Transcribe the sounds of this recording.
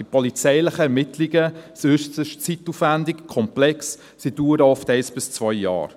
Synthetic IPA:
d̥ipɔlit͡sɛɪləχəɛɾmɪtʰliɡəsøʃtəʃt͡sitːufvændɪkkʰɔmplɛks | siduːɾəɔftɛɪsb̥ɪst͡svœjːɑ̰ːɾ

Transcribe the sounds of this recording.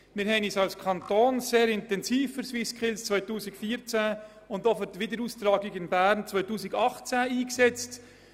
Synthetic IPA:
mɪɾɦɛɪniːsɑlskʰɑnt̪oːnseːɾɪntɛnziːfəɾswɪskχɪlst͡sʋœʏtuːsɪkfiːəɾt͡sæ | ʊndɔfətʋɪd̪əɾuːst̪ɾɑːɡɪɡɪnbæːɾnt͡sʋœʏtuːsɪɡɑχt͡sæiːksɛt͡st

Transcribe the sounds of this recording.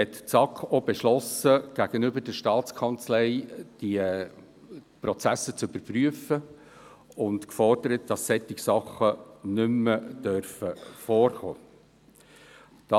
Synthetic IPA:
hɛtt͡sɑkob̥ɛʃlɔsəɡ̥æɡ̥ənʏbəɾdəʃtɑːt͡skʰɑnt͡slɛɪd̥i | pɾɔt͡sæsət͡sʏb̥əɾpryəfə | ʊntkfɔrd̥əɾət̚d̥ɑsːɛt̪ːɪksɑχːənʏmːəd̥øɾfəfoːrχo̰ː | d̥ɑ

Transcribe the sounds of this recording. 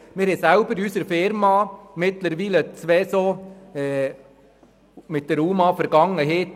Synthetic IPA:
mɪɾesæʊbəɾyːsəɾfɪɾmɑmɪt̪ləɾʋiːlət͡sʋɛsoɛ | mɪt̪̚d̥̪ɛɾuːmɑfəɾɡɑŋəɦeːt

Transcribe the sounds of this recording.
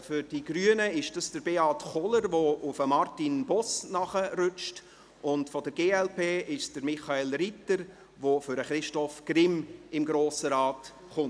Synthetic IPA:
fʏɾd̥iɡryənəɪʃd̥ɑsd̥əɾbeːɑtχɔləɾʋoʔʊfəmɑrtinbɔsnɑχəɾʏt͡ʃt | ʔʊntfɔdəɾɡeːɛlpʰeːɪʃsd̥əɾmɪχaeːlritəɾ | ʋofʏɾəχɾɪʃtɔfɡ̥rɪmɪmɡɾoːsəɾɑːt | χʊnt

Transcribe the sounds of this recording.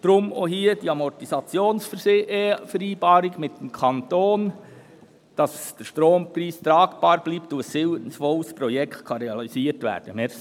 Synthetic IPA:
d̥ɾʊmohiːəd̥iɑmɔtisɑt͡sjoːnsfəɾseʔefəɾiːbɑːɾiɡmɪtːəmkʰɑnt̪oːn | d̥ɑsd̥əɾʃtɾoːmpɾiːst̪ɾɑːkb̥ɑːɾb̥liːp̚tuəsɪwənəsfɔlspɾɔjɛkχtkʰɑɾɛɑlisiːətʋæ̰ːɾd̥əmɛ

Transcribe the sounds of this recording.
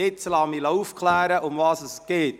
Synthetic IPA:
ɪt͡slɑːmilauːfkʰlæːɾəʔʊmvɑːsəsɡ̥eːt

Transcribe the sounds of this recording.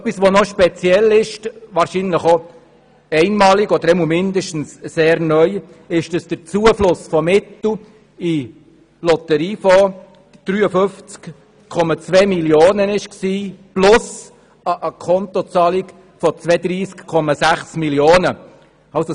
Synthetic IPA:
œpːisʋonɔʃpɛt͡sjɛlɪʃvɑːɾʃinləχo | ɛɪnmɑːliɡɔd̪əɾɛmumɪndəʃtn̩sseːɾnœʏ | ɪʃd̥ɑsd̥əɾt͡suəflʊsfɔmɪt̪l̩ | i | lɔt̪əɾiːfɔ | d̥ɾyːəfʏft͡sk | kʰɔmɑt͡svɛːmiljoːnənɪʃksiːplʊs | əʔəkʰɔnt̪ɔt͡sɑːlik | fɔt͡svɛd̥̪ɾiːskkʰːɔmɑsæχsmiljoːnə | ɑso

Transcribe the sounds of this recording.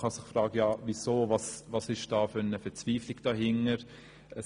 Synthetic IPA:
χɑsɪχfrɑːɡ̥əjɑːvizoːvɑsvɑsɪʃd̥ɑːfønəfɛt͡sv̥iːflɪɡd̥ɑːɦɪŋəɾ | ʔə

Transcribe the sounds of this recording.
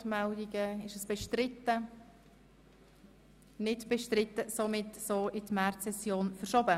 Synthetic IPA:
tmɛldiɡəɪʃəsb̥ɛʃtɾɪt̪ːə | nɪdb̥ɛʃtrɪtːəsomɪtːsoːʔɪtmɛrtsɛsjoːnfəɾʃobə

